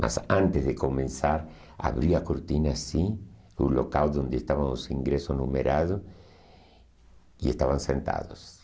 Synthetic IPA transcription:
mʔa̰sãnt̪ezðekomẽnsaɾ | a̰βɾiakoɾt̪inasi | ulokawd̪õnd̪est̪aβaŋosiŋɡɾesosnumeɾʔaðo | iest̪aβaŋsent̪a̰ðos

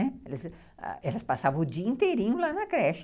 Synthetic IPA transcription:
ɛɛlɐs | a̰ɛlɐspasavɐ̃ʊd͡ʒiɐĩnt̪eɾĩɲʊlanɐkɾɛʃ

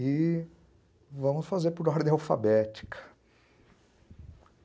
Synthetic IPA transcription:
ɪ | vɐ̃mʊsfazeɾpʊɾɔɾd̪ẽawfa̰bɛt͡ʃi̥kʰɐ̥

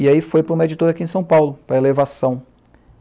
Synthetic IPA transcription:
iaifojpɾɐũmɐed͡ʒit̪oɾakiẽj̃sɐ̃w̃pawlʊpɾɐelevasɐ̃w̃

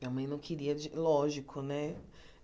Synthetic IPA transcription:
ɐmɐ̃j̃nɐ̃w̃kʰiɾiɐd͡ʒilɔʒikʰʊnɛ

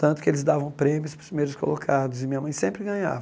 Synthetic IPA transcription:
t̪ɐ̃nt̪ʊ̥kɪelɪzd̪avɐ̃w̃pɾẽmjʊspɾʊzmejɾʊsko̰lokʰad̪ʊzɪmĩɲɐmɐ̃j̃sẽmpɾɪɡɐ̃ɲa̰v

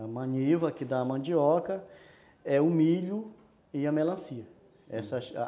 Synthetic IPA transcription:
ɐmɐ̃ɲivɐkɪd̪amɐ̃d͡ʒiɔkɐ | ɛʊmiʎʊ | ɪɐmelɐ̃siɐ | ɛsɐ̰

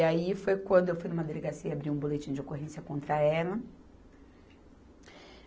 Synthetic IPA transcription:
aifojkwɐ̃nd̪ʊewfujnũmɐd̪eleɡasiɐiabɾiũbolet͡ʃĩɲ̃ʊ̃d͡ʒɪokoɦẽsjɐkõnt̪ɾɐɛlɐ

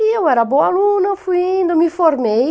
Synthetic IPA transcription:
iewɛɾɐbõalunɐfujĩnd̪ɐmifoɾmej

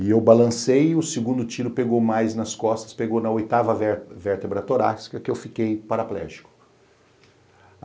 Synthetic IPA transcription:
ɪewbalɐ̃sejʊseɡũnd̪ʊt͡ʃiɾʊpeɡowmajznɐskɔst̪ɐ̥speɡownɐojt̪avɐvveɾt̪ebɾɐt̪oɾa̰si̥kɐkɪewfikejpaɾaplɛ̰ʒi̥kʊ̥

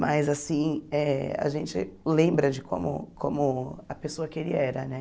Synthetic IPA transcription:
mazasĩɛɐ̰ʒẽnt͡ʃɪ̰lẽbɾɐd͡ʒɪkʰõ̰mʊ̰kʰõmʊɐpesoɐkelɪɛɾɐnɛ

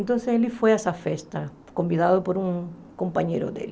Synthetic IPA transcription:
nt̪õnseselifojɛsafest̪ɐ | kõmbiðaðʊpoɾũŋ | kõmpaɲḛɾʊ̰d̪ḛli

